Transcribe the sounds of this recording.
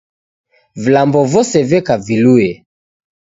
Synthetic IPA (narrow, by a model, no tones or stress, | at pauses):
vilambɔvɔsɛvɛkaviluɛ